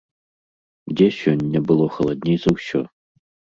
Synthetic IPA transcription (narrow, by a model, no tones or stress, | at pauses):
dʲesʲɔnʲːɐbɨlˠɔxɐlˠɐd̪ʲnʲejz̥ɐwɕʲɔ̰